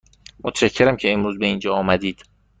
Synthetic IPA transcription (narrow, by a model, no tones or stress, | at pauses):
mot̪ʰʃæcʰːeɾæmcʰe̞emɾuːzbe̞iːnd͡ʒɒːmæd̪iːd̪̥